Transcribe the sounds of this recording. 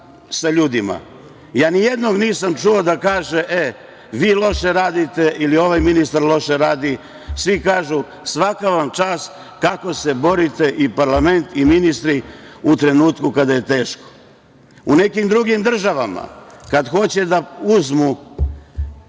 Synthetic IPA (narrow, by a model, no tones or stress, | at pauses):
saʎuːd̪ima̰ | jaːnijed̪no̞ɡniːsamt͡ʃuod̪akaːʒe̞ʔe | ʋiːlo̞ʃe̞ɾaːd̪it̪e̞ʔilio̞ʋajminist̪aɾlˠo̞ʃeɾaːd̪i | sʋikaːʒu | sʋakaʋamt͡ʃaːs | kako̞se̞bo̞ɾit̪e̞ʔipaɾlame̞nt̪iminist̪ɾiut̪ɾe̞nuːt̪kukad̪aje̞t̪e̞ːʃko̥ | une̞kimd̪ɾuɡimd̪r̩ʒaʋama̰kad̪xo̞t͡ɕe̞d̪auzmu